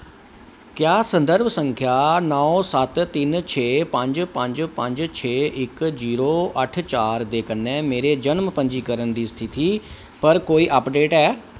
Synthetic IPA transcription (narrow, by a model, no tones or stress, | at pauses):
kjaːsə̃nd̪əɾbsə̃ŋkʰjaːnɔːsət̪t̪ːɪnt͡ʃʰeːpə̃ɲd͡ʒpə̃ɲd͡ʒpə̃ɲd͡ʒt͡ʃʰeːʔɪkziːɾoːʔəʈʰt͡ʃaːɾd̪eːkənːɛ̃ːmeːɾeːd͡ʒənmpə̃ɲd͡ʒiːkəɾənd̪iːst̪ʰɪt̪iː | pəɾkoːiːʔəpɖeːʈɛː